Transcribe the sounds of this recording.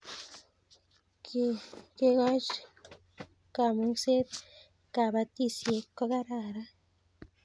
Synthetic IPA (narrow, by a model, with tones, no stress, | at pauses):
kke˧ɡa˦t͡ʃ | ka˧˨mo˧se˦d̪ | ka˨ba˧t̪i˧sje˧ka˦ɡa˦ɾa˧ɾa˦